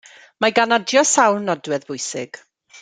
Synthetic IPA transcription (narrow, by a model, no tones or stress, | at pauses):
maɡanɔdjɔsawlnɔdwɛðvʊjsɪ̰ɡ̥